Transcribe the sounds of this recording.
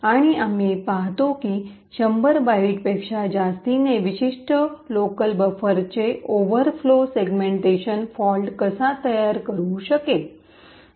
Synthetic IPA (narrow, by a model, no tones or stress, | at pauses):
aɽ̃iamipaɦt̪okiː | ɕəmbəɾbaiʈpekʂad͡ʑast̪ineʋiɕiʂʈəlokəlbəfəɾt͡ɕeʔoʋəɾfloseɡmẽɳʈeɕənfɔlɖkəsat̪əjaɾkəɾũɕəke